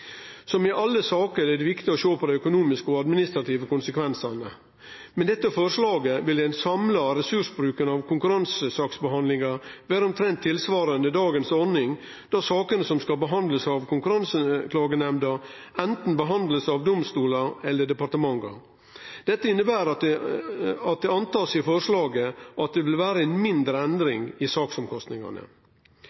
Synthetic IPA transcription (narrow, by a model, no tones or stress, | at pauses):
sɔmɪʔɑlːəsɑːkəɾɛd̪ɛʋɪkt̪ɪɔʃoːpʰɔd̪ɛœkʊnuːmɪskɔɑd̪mɪnɪst̪ɾɑt̪ʰiːʋəkʊnsəkʰʋɛnsənə | mɛnd̪ɛt̪ːəfɔʂlɑːɡəʋɪlæɪnsɑmlɑɾɛsʉʂbɾʉːkənɑʋkʰʊŋkʉɾɑnsəsɑːksbəɦɑnd̪lɪŋɑɾʋæːɾəɔmt̪ʰɾɛnt̪ʰːɪlsʋɑːɾənd̪əd̪ɑːɡənsɔɾnɪŋ | d̪̥ɑsɑːkənəsɔmskɑlbəɦɑnd̪ləsɑʋkʰʊŋkʉɾɑnsəkʰlɑːɡənɛmd̪ɑ | ɛnt̪n̩bəɦɑnd̪ləsɑʋd̪ɔmst̪uːlɑɾɛlːəɖɛpɑɾt̪əmɑŋːə̰ɾ | d̪̥ɛt̪ːəɪnːəbæːɾɑ | ɑt̪̚d̪ɛɑnt̪ɑːsɪfɔʂlɑːɡəʔɑt̪̚d̪ɛʋɪlʋæːɾəɛnmɪnd̪ɾəɛnd̪ɾɪŋɪsɑːksɔmkʰɔst̪nɪŋɑ̰nə̰